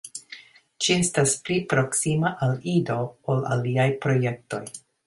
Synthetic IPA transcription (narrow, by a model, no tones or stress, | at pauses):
t͡ʃie̞stasplipɾo̞ksimaʔalido̞ola̰liajpɾo̞je̞k̚to̞j